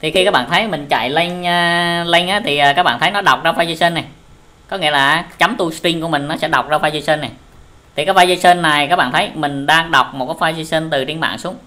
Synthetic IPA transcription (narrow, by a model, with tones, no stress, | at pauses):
t̪ʰi˨˩xi˧kaː˦˥k̚ɓa̰ː˧˨nt̪ʰə˨˦jmï˨˩ŋ̟t͡ɕa̰˧˨jlə˧ŋ̟əː˧lə˧jŋ̟ʔaː˨˦˥t̪ʰi˨˩əː˨˩kaː˦k̚ɓa̰ː˧˨nt̪ʰjnɔ˨˦ɗa˨˩wk͡p̚zaː˧fa˧jzə˧sə˧nːa˨˩j | kɔ˨˦ŋḭ˧˥əlaː˨˩˨t͡ɕa˨˦mt̪u˧st̪i˧ŋku˧˩əmï˨˩ŋ̟nɔ˨˦sɛ̰˧˥ɗa˨˩wk͡p̚zaː˧faː˧jzə˧sə˧nːa˨˩j | t̪ʰi˨˩kaː˦j̚vaː˧jzə˧sə˧nːa˨˩jkaː˦˥k̚ɓa̰ː˧˨nt̪ʰə˨˦jmï˨˩ŋ̟ɗaː˧ŋɗa˨˩wk͡p̚mo˨˩t̚kaː˨˦˥vaː˧jzə˧sə˧nt̪ɨ˨˩ɗi˧nɓa̰ː˧˨nsu˨˦əŋ